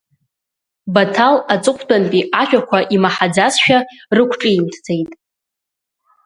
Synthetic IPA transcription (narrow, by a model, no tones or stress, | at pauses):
batʰalat͡sʼɨqʷʰʼdʼanpʼiʔaʃᶣakʷʰaʔimaħad͡zasʃᶣarɨkʷʰʈ͡ʂʼɨimtʰd͡ze̞jtʼ